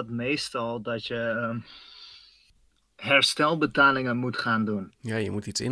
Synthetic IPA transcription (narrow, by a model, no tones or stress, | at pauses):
tmejstɑlˠdɑtjə | ɦɛɹstɛlˠbətaːlɪŋənmutχaːndunjaːjəmutisɪ̰n